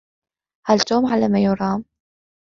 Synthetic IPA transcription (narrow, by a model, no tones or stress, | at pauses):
halt̪oːmʕalamajʊɾˤɑːm